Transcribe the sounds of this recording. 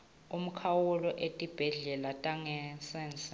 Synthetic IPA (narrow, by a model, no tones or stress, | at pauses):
um̩kʰawulɔʔetʼib̥ʱɛɮɛlatʼaŋɛsɛːnsʼḁ